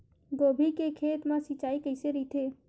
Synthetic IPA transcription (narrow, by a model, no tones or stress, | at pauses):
ɡobʱikekʰeːt̪mãsit͡ʃaikəɪseɾət̪ʰe